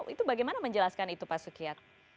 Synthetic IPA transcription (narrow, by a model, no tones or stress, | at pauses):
ʔit̪ubaɡajmanaməɲd͡ʒəlaskanit̪upasukiat̪̚